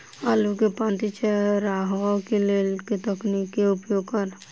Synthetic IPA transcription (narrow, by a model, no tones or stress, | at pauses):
alukepãːnt̪it͡ʃʰeɾaɦakeleːlket̪əknikːeʊpjoːɡkɐɾ